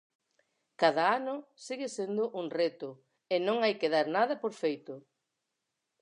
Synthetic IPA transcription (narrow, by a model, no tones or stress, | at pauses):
kaðɐanʊsiɣɪsend̪ʊʔuŋret̪ʊ | enõŋajkeðaɾnað̞ɐpoɾfejt̪ʊ